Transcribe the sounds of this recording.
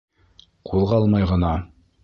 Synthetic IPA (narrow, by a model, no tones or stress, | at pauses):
qʰulˠʁɑlˠmɑjʁɤ̆nɑ